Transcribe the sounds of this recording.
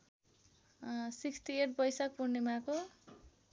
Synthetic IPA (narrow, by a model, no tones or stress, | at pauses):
sikt̪ieʈ̚pʌjsak̚purnemako